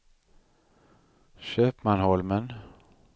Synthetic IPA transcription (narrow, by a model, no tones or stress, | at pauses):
ɕøːpmanhɔlmən